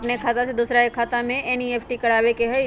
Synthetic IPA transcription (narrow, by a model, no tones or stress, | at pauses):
pnekʰaːt̪ased̪usɾaekʰaːt̪amẽɛnieːpʰʈikɐɽaːʋekeɦɛj